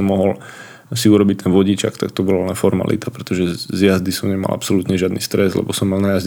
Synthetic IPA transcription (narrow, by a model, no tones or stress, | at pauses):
ɔmːɔɦɔl | siuɾɔbict̪ɛnʋɔɟit͡ʃakt̪akt̪ɔbɔlalɛnfɔɾma̰lḭt̪apɾɛt̪ɔʒɛzjazd̪isɔmɲɛma̰lʔa̰psɔlut̪ɲɛʒɪad̪nist̪ɾɛzlɛ̰bɔsɔmːalnajaz